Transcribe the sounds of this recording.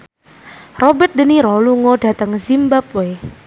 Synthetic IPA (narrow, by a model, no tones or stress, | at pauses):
rɔbɛt̪̚dəniɾɔluŋoɖ̥a̤t̪əŋzimbap̚we